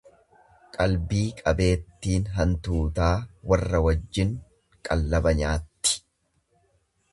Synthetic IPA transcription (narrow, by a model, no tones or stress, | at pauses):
kʼɐlbiːkʼɐbe̞ːt̪ːiːnɦɐnt̪uːt̪aːwɐrːɐwɐd͡ʒːɪŋ | kʼɐlːɐbɐɲaːt̪ːɪ̥